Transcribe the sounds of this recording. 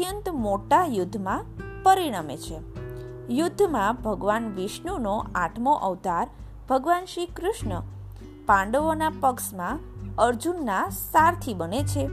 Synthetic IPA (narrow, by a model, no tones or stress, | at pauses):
jənt̪moʈajʊd̪ʱːmãpəɾiɽ̃amet͡ʃʰe | jʊd̪ʱːmãbʱəɡʋanʋɪʃɳunoaʈʰmoʔəʋt̪aɾ | b̥ʱəɡʋanʃikɾʊʃɳə | pãɳɖəʋonapəkʃmãəɾd͡ʒunːasaɾt̪ʰibənet͡ʃʰe